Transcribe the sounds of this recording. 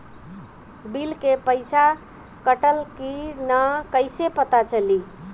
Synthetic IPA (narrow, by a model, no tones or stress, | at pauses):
bilkepəɪsa | kəʈəlkinakəɪsepət̪at͡ʃəli